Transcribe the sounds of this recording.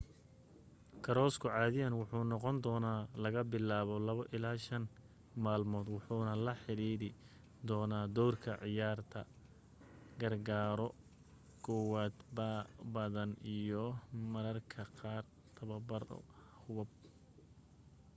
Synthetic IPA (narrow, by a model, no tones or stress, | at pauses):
kʰɐɾɔːskʰʊʕɑːðɪjɐnwʊħuːnɔqɔnd̪ɔːnaːlɐɣɐbɪlaːβɔlɐβɐʔɪlaːʃɐn | maːlmɔːd̪wʊħuːnɐlɐħɪɾiːɾɪ | d̪ɔːnaːd̪ɔwrkʰɐʕɪjaːrt̪ʰɐ̰ | ɡɐrɡaːɾɔ | kʰɔwaːd̪babɐðɐnijɔmɐɾɐrkʰɐqɑːr | t̪ʰɐβɐbɐɾɔ̰ | hʊβɐb̚